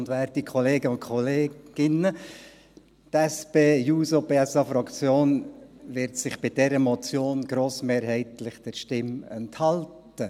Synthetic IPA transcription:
ndʋɛɾtikʰɔleːɡəʊntkʰχɔleːɡ̥ɪnə | tɛspeːjuːsopeːɛsɑfɾɑkt͡sjoːnʋɪɾtsɪχb̥ɪd̥ɛɾəmɔt͡sjoːnɡɾoːsmeːɾɦɛɪtlɪχd̥əɾʃtɪmɛnthɑlt | ə

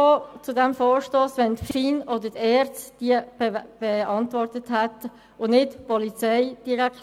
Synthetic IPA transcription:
oːt͡sudɛmfoːɹʃtoːsʋɛntfiːnod̪ətɛːɾt͡sd̥iːə̥b̥ɛɑntvɔrtəthɛt̪ | ʊnɪtpɔlit͡sɛɪd̥iɾɛk

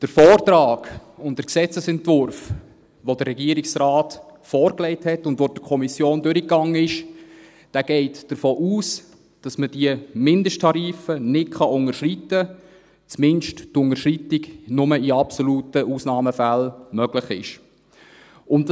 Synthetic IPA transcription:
d̥əɾfɔːrtɾɑːɡʊnt̚d̥əɾksɛt͡səsɛntvʊrf | ʋod̥əɾːɛɡiːəɾiksraːtfɔːɾklɛɪthɛtʊndʋoːd̥əkʰɔmisjoːndʏɾikːɑŋːəɪʃ | d̥æːɡ̥ɛɪtd̥əɾfoːʔuːs | d̥ɑsməd̥iəmɪndəʃtʰːɑɾiːfənɪt̚kʰɑʊŋəɾʃritə | t͡smɪnʃttʊŋəʃritɪknʊməiɑpsoluːtəʔuːsnɑːməfælmœɡ̥lɪχɪ̰ʃ | ʊn

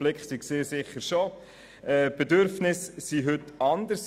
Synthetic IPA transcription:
lɪkχsiɡseːɾsɪχːəɾʃo | ɛːb̥ɛd̪øɾfnɪsːiɦʏtɑnd̪əs

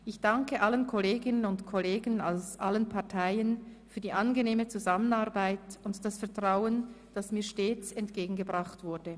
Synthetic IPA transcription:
ʔɪçd̥aŋkəʔalənkʰoleːɡɪnənʊntkʰoleːɡənalsʔalənpʰaɐtʰaɪənfyːɐdiːʔanɡəneːmət͡suzamənaʁbaɪtʊntd̥asfɛɐtʁ̥aʊən | d̥asmiːɐʃteːt͡sɛntɡ̥eːɡŋ̩ɡəbʁaχtv̥ʊɐd̥ə

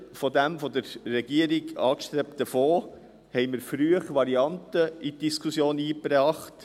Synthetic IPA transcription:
fɔd̪æmfɔd̪əɾːɛɡ̥iəɾiɡɑːkʃtɾept̚d̪̥əfoː | hɛɪməɾfɾyəχʋɑɾiɑntəitd̥iskʰusjoːniːpɾɑːχt

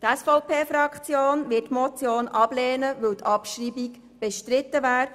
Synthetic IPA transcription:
t̪ɛsfɔʊpʰeːfɾɑkχt͡sjoːnʋɪtːmɔt͡sjoːnʔɑb̥lɛːnəʋɵwt̪ʰɑpʃriːbik | b̥ɛʃtɾɪt̪ːəʋæːɾ

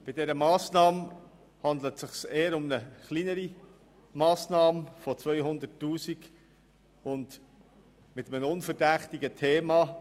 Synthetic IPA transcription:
b̥ɪdɛɾəmɑːsnɑːm | hɑndlətsɪχseːəɾʊmnəχlinəɾi | mɑːsnɑːmfɔt͡svœʏɦʊnd̪ətːuːsik | ʊnd | mɪt̪əmənʊnfəɾdæχtɪɡətʰeːmɑ

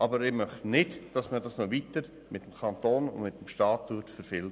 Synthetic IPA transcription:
ʔɑbəɾɪmœχnɪtd̥ɑsmədɑsnoʋitəɾ | mɪtəmkʰɑntoːnʊ̰nmɪt̪əm̩ʃtɑːtːuːtfəɾfɪl

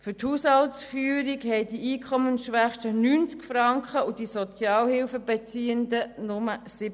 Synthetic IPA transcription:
fʏɾthuːshɑltsfyːɾikhɛɪdiiːkʰχɔmənʃʋæχʃtənyːnt͡skfɾɑŋkχəud̥isɔt͡sjɑːlhɪlfəbɛt͡siːəndənʊməsɪb

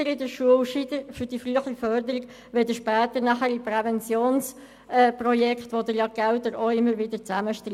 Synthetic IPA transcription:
əɾɪdəɾʃuəlʃidəfʏɾd̥ifryəχifœɾdəɾiɡ | ʋeld̥əʃpɛːt̪əɾnɑχəɾipɾɛvɛnt͡sjoːns | ɛːprɔjɛkχt̪ʋod̪əɾjɑɡ̥ɛlt̪əɾoɪmːəɾʋɪdət͡sæməʃtː

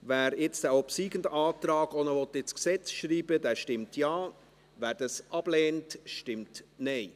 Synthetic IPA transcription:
væːɾɪt͡stæɔpsiːɡ̥əndɑːtrɑːɡɔnəʋɔt̪ːɪt͡sksɛt͡sʃriːbədɛːʃtɪmtjaː | væːɾd̥ɑsʔɑb̥lɛːntʃtɪmtnɛɪ

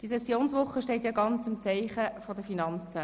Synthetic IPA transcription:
d̥isɛsjoːnsʋʊχːəʃteɪtjɑɡɑnt͡sɪmt͡saɪχəfodəfinɑnt͡sə

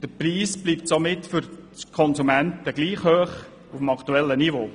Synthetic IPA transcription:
d̥əpriːsb̥liːptsomɪtfʏɾt͡skʰɔnsumæntəɡliːχhøːχ | ufəmɑkʰtuɛlːənivoː

